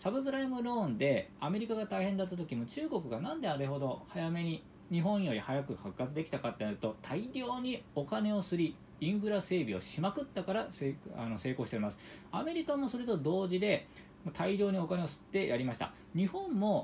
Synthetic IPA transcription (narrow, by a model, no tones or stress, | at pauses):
sabɯ̟pɯ̟ɾaimɯ̟ɾõ̞ːnd̪e̞ame̞ɾʲikaɡat̪aihẽ̞nd̪at̪ːat̪o̞kʲimo̞t͡ɕɨːɡo̞kɯ̟ɡanãnd̪e̞aɾeɦo̞d̪o̞hajame̞ɲ̟i | ɲ̟iɦõ̞ɰ̃jo̞ɾʲihajakɯ̟hakːat͡sɨd̪e̞kʲi̥t̪akat̪ːenaɾɯ̟t̪o̞t̪ʰaiɾʲo̞ːɲ̟io̞kane̞o̞sɨɾʲi | ĩɰ̃ɸɯ̟ɾase̞ːbʲio̞̰ɕimakɯ̟t̪ːakaɾasea̰no̞se̞ːko̞ɕiteimasɨ̥ame̞ɾʲikamo̞so̞ɾe̞t̪o̞d̪o̞ːʑid̪e̞ | mot̪ʰaiɾʲo̞ːɲ̟io̞kane̞osɨ̥t̪ːe̞jʔaɾʲimaɕi̥t̪a̰ | ɲ̟ihõ̞mːo̞